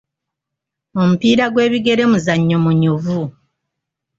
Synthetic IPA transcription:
o̞mupiːɾaɡwe̞ːβiɡe̞ɾe̞muzaɲːomuɲovu

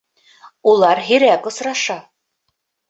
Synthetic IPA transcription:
ulˠɑɾɦĭɾækŏsɾɑʃɑ

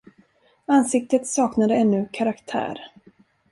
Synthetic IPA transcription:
ansɪk̚t̪ət̪sɑːknad̪əɛnːɵkʰaɾakt̪ʰæ̰ːɾ

